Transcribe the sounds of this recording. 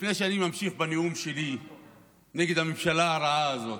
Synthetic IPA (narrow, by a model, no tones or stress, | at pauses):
ifneʃanimamʃiχbaneumʃeli | nɛɡed̪amimʃalaːɾaazot̪